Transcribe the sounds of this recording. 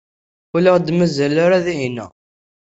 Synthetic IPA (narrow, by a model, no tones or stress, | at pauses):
uləʁd̪məzəlaɾaðiɦinæ̰